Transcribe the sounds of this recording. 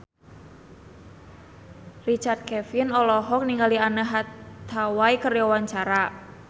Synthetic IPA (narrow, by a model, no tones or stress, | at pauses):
rit͡ʃart̪̚kɛfɪnɔlɔɦɔk̚niŋɡalianəɦat̪ʰawaikərjɔwaɲt͡ʃaɾa